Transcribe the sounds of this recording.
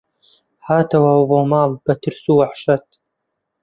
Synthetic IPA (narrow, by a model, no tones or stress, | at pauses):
haːt̪ɐwawvoːmaːlb̥ɐt̪ɨɾsuːwaħʃɐt̪